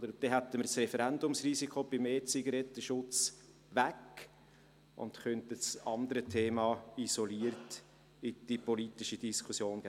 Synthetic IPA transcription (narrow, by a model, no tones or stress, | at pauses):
d̪əɾd̥ɛɦæt̪ːəməɾsrɛfəɾændʊmsriːsikʰob̥ɪmeːt͡siɡɑɾɛt̪ːəʃʊt͡s | ʋæk | ʔʊ̰nt̪kœntəst͡sɑnd̪əɾətʰeːmɑisoliərt | ɪd̥ipolit̪ɪʃid̥iskʰusjoːnɡ̥æ